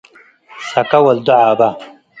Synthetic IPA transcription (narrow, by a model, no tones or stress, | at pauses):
sɐkawɐld̪uʕaːba